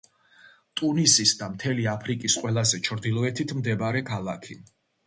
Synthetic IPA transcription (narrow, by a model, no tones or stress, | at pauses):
t̪ʼunisisd̪amt̪ʰɛliapʰɾikʼisqʼwɛlˠazɛt͡ʃʰɾd̪ilˠɔɛt̪ʰit̪ʰmd̪ɛbɾɛkʰalˠakʰi